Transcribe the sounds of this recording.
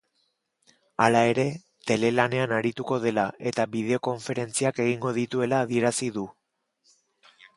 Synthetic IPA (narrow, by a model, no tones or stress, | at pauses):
alae̞ɾe̞ | t̪e̞le̞lane̞anaɾit̪uko̞ð̞e̞laʔe̞t̪aβiðe̞o̞ko̞ɱfe̞ɾe̞nt͡siake̞ɣ̞iŋɡo̞ð̞it̪ue̞laːðie̞ɾasiðu